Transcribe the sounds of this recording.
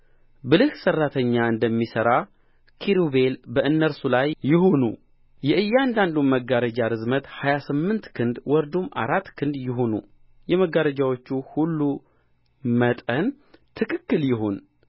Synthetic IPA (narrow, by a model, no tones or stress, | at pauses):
bɨlɨhsərːat̪ʰəɲːaɨnd̪əmːisəɾa | kʰiɾube̞lbəʔɨnːəɾsulajːɪɦonṵ | jɛɨjːand̪and̪uməɡːaɾəd͡ʒaɾɨzmət̪hajasɨmːɨnt̪kʰɨnd̪wɔɾd̪umʔa̰ɾat̪ːkʰɨnd̪jɪɦo̞nṵ | jɛməɡaɾəd͡ʒawot͡ʃːuhulːu | mət̪ʼən | t̪ʰɨkʰɨkːɨljɪɦon